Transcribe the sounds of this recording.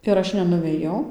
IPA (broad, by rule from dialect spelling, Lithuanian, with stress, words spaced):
ɪr ˈɐʃ nʲɛnʊʋʲeːˈjɛʊ